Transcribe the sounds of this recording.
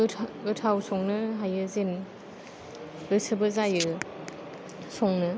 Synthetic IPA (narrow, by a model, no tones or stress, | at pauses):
ɡɯtʰawsɔŋnɯɦajɯzen | ɾɯsɯbɯzajɯ | sɔŋnɯ